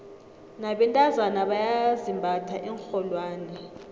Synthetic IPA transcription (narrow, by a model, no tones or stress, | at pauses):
naɓɛntʼazanaɓajazimbʱatʰaʔɛŋxɔlwaːnɛ